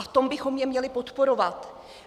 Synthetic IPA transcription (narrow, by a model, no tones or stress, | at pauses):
aft̪o̞mbɪxo̞mɲjɛmɲɛlɪpo̞t̪po̞ɾo̞vat̪